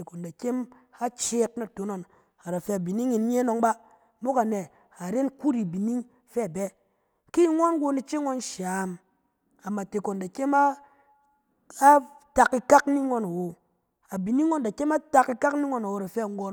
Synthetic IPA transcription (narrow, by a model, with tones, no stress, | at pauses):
e˨ko˨nda˨ke˦m | a˦t͡ʃe˦k̚na˨to˨˦no˨n | a˨ɾa˨fe˧a˨bi˨ni˦ŋi˨n˦ɲe˦no˧˦ŋba˦ | mo˦ka˨ne˨ | a˨ɾe˦nku˦ɾi˨bi˨ni˦ŋ | fɛ˦˨be˦ | ki˦i˦ŋʷa˦nɡo˧ni˦t͡ʃe˦ŋʷo˦nʃa˨m | a˨mːa˨te˨ko˨nda˨ke˦ma˦ | a˦ | ta˨ki˧ka˦kni˦ŋʷo˦na˨wo˨ | a˨bi˨ni˦ŋʷːo˦nda˨ke˦ma˦ta˧ki˦ka˦kni˦ŋʷo˦na˨wo˨˦ɾa˨fe˦a˨ŋ˦ɡo˧n